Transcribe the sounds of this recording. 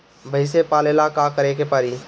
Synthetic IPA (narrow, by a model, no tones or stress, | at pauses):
bʱəɪsepaːleːlakakəɾekepəɾi